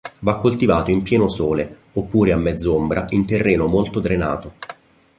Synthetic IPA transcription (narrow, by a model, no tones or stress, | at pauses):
vakːolt̪ivaːt̪oimpjɛːnosoːle | opːuːɾeamːɛd̪zːombɾa̰int̪erːeːnomolt̪od̪ɾena̰ːt̪o